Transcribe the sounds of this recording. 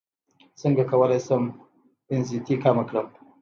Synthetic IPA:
səŋɡakawəlajsəm | ɪnzit̪ikamakɽəm

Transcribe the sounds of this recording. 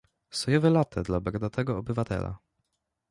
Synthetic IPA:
sɔjɛvɛlat̪ʰɛd̪labɛɡd̪at̪ɛɡɔɔbɘvat̪ɛ̰la̰

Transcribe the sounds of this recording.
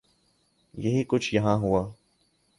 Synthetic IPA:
jɐɦikʊt͡ʃʰjɐɦãɦuaː

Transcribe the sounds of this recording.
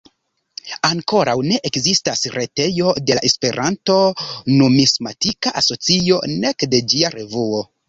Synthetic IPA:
aŋko̞ɾawne̞ʔekzistasɾe̞te̞jo̞de̞laʔe̞spe̞ɾʔanto̞numismatikaʔaso̞t͡sio̞ne̞kde̞d͡ʒiaɾe̞vuo̞

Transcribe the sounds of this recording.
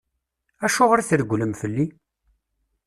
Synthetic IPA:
æʃʊʁɾæθəɾəɡʷləmfəlːi

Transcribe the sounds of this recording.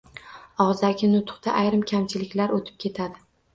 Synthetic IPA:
ɒʁzd̪aɡʲɪnʊt̪ʰʊ̥qt̪aʔajɾɪmkʲʰamt͡ʃʰɪlɪkʲlaɾot̪ʰɪ̥p̚kʲʰe̞t̪ʰad̪ɪ

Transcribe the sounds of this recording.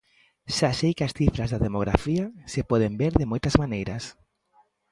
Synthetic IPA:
ʃaʃejkɪasθifɾazðaðemoɣ̞ɾa̰fiasepɔð̞embeɾðɪmojt̪ɐzmanejɾɐs

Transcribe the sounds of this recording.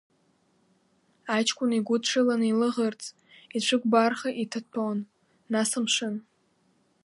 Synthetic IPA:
at͡ʃʰkʷʼʊniɡʷʊdʈ͡ʂʰɨlanilɨʁərt͡sʼ | it͡ɕʷʰɨɡʷbarχaʔitʰɨpʰawnː | asɨmʃɨn

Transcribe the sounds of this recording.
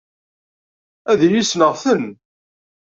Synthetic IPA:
æðjisnəʁθən

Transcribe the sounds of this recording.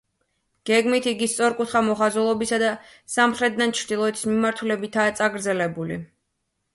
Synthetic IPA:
ɡ̥ɛɡmit̪ʰiɡist̪sʼɔɾkʼut̪ʰχamɔχazulˠɔbisad̪a | samχɾɛt̪̚d̪ant͡ʃʰɾd̪ilˠɔɛt̪ʰismimaɾt̪ʰulɛbit̪ʰaːt̪sʼaɡɾd̪zɛlɛbulḭ

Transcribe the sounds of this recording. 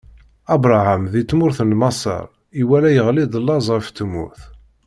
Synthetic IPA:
ɑbɾˤaʕamðit͡sːmʊɾθənmɑsˤə̰ɾˤ | iwælæjəʁlid̪ˤəlːɑzˤʁəft̪ːəmːʊ̰ɾθ

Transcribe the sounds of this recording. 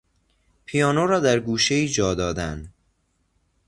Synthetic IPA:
pʰijɒːnoɾɒːd̪æɾɡuːʃeiːd͡ʒɒːd̪ɒːd̪æn

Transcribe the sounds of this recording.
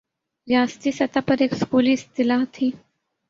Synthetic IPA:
zjaːst̪isɐt̪apɐɾeːkskuːliɪst̪ɪlaːɦt̪ʰiː

